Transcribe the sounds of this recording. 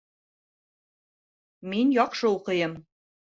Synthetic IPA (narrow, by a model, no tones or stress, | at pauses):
menjɑqʃɤuqɤ̆jɤm